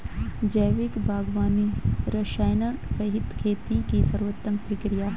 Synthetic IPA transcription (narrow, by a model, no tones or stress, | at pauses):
d͡ʒɐːʋɪkbʱaːɡʋaːniɾɐʃaːjnɐɾɐɦɪt̪kʰeːt̪ikisɐɾʋət̪ːəŋkpɾikɾijaː